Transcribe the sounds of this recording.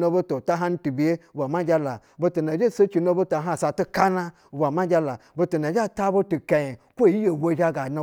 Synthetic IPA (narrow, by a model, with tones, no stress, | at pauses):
no˦bo˦to˨ta˦ɦa˦n̩˦tu˨bi˨je˦˨bʷa˨ma˦d͡ʒʲa˦la˨bo˦tu˨na˨d͡ʒe˦se˦t͡ʃi˨no˦bo˦ta˨ɦa˦˨sa˨tu˦ka˦na˦˨ | bʷa˨ma˦d͡ʒʲa˦la˨bo˧tu˨na˨d͡ʒʲa˦˨ta˦bo˦tu˨ka˨je˨ | kʷo˦˨ji˦je˨wo˦ʒa˦ɡa˨na˨˦